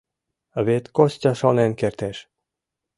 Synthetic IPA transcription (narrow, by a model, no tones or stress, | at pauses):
βet̪kosʲtʲɑʃonenkert̪eʃ